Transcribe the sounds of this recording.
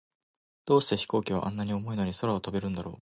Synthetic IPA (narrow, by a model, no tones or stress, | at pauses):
d̪̥o̞ːɕi̥t̪e̞çi̥ko̞ːkʲiβ̞a̰ʔã̰nːaɲ̟io̞mo̞ino̞ɲ̟iso̞ɾaot̪obe̞ɾɯ̟̃nd̪aɾo̞̰ː